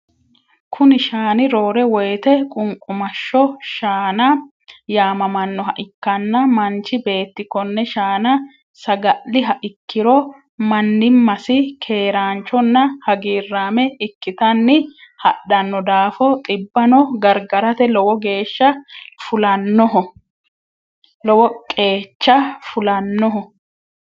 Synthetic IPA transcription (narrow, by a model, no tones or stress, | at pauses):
kʰʊnɪʃaːnɪɾoːɾɛwɔjt̪ɛkʼʊŋkʼʊmɐʃːɔʃaːnɐ | jaːmɐmɐnːɔɦɐʔɪkːɐnːɐmɐnt͡ʃːɪbe̞ːt̪ːɪkːɔnːɛʃaːnɐ | sɐɡɐlːɪɦɐʔɪkːɪɾɔ | mɐnːɪmːɐsɪkʰe̞ːɾaːnt͡ʃɔnːɐhɐɡiːrːaːmɛɪkːɪt̪ɐnːɪhɐɗɐnːɔd̪aːfɔt̪ʼɪbːɐnɔɡɐɾɡɐɾɐt̪ɛlɔwɔɡe̞ːʃːɐfʊlɐnːɔɦɔ | lɔwɔkʼeːt͡ʃːɐfʊlɐnːɔɦɔ